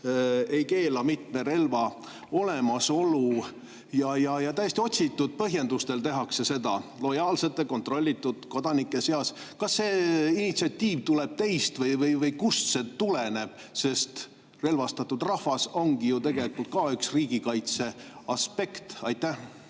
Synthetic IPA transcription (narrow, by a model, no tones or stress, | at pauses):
e̞jke̞ːlɑmit̪me̞ɾe̞lvɑ | o̞le̞mɑso̞lu | jɑjɑjɑt̪æjest̪io̞t̪ʲsit̪ːˑud̪̥̚pɤɦje̞nd̪ust̪e̞lt̪e̞ɦɑkse̞se̞d̪ɑ̰lo̞jɑːlse̞t̪ːˑeko̞nt̪ro̞lʲːit̪ːˑud̪̥ko̞d̪̥ɑnikːˑe̞seɑs | kɑsːeːinit̪siɑt̪ʲːiːvt̪uleb̥̚t̪e̞jst̪vɤjvɤjvɤjkusset̪ulene̞b̥se̞st̪ | re̞lvɑst̪ɑt̪ːˑud̪̥rɑhvɑso̞ŋɡ̥ijut̪e̞ɡ̥e̞likult̪̚kɑyksriːɡ̥ikɑjt̪se̞ɑspe̞kt̪ɑjt̪ːˑæh